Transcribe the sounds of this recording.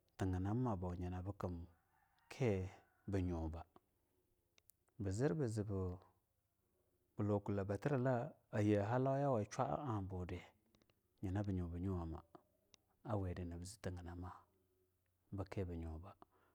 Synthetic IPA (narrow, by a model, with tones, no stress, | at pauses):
tə˨ŋɡə˨na˦mːa˨ba˨ɲa˨na˨bə˦kə˨m | kʰe˦ | bə˨ɲo˨ba˨ | bə˨zi˦ɾbə˨zi˨bə˨ | b̥ə˨lo˨ku˨la˨ba˨tə˦ɾla˦a˨je˨ɦa˦la˦ja˦wa˨t͡ʃʷa˦ʔa˨bo˨dɛ˨ | ɲa˨na˦bə˨ɲo˨bə˨ɲu˦a˨ma̰˨ | a˨we˨de˨na˨bə˨zi˦tə˨ŋɡə˨na˨mːa˦ | bə˨ke˦bə˨ɲo˨ba˨